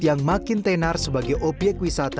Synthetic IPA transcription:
jaŋmakɪnt̪enarsəbaɡajʔob̥jɛk̚t̪̚wisat̪a

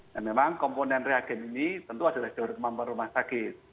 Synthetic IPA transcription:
namemaŋkɔmponɛnreaɡ̥ɛ̤ninit̪ənt̪uad̥alahd̥ɔɾkəmampənrumahsakɪt̪̚

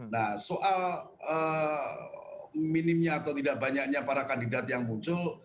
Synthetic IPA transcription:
nahsoʔal | ə | minɪmɲaːt̪awt̪idaʔ̚baɲak̚ɲapaɾakandidat̪̚jaŋmuɲt͡ʃʊl

